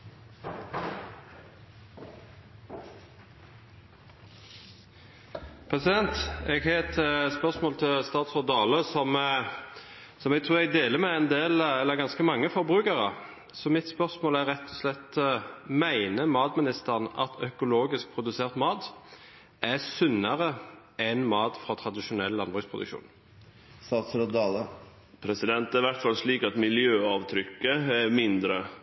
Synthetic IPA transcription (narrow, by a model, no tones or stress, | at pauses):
pʰʁɛsɪd̪ɛnt̪ɛɡhɑɛt̪spœʁsmoːlt̪ʰɪlst̪ɑːt̪sɔʁd̪ɑːləsɔm | sɔmɛɡ̚t̪ʰɾʉːʁɛɡ̚d̪eːləmɛɛnd̪eːlɛlːəɡɑnskəmɑŋːəfɔɾbʁʉːkəʁə̰ | sɔmɪt̪spœʁsmoːlæɾɛt̪ʰːɔ̥slɛt̪ːmæɪnəmɑːt̪mɪnɪst̪əʁnɑ̰t̪ʰœkʊloːɡɪsk̚pʰɾʊd̪ʉseːʁt̪mɑːt̪ | ʔæsʉnːɑʁə | ɛnmɑːt̪fɾɑːt̪ʰɾɑd̪ɪʃʊnɛlːɑnbʁʉspʰʁʊd̪ʉ̰kʃṵːn | sɑːt̪sɾɔd̪ɑlə | pʰɾɛsɪd̪ɛnt̪æɾɪʋæɾt̪fɑlʂliːkɑt̪mɪljøːɑːʋt̪ʰɾʏkːəæɾmɪnd̪ɾə